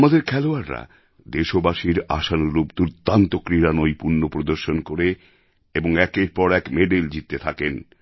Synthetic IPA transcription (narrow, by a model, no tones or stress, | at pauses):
mad̪eɾkʰɛloaɾːa̰ | d̪eʃobaʃiɾa̰ʃanulubd̪uɾt̪ːant̪okɾiɾanojpuɾnopɾod̪oɾʃonkoɾe | eboŋɛkeɾpɔɾɛkmeɖajld͡ʑit̪ːet̪ʰaken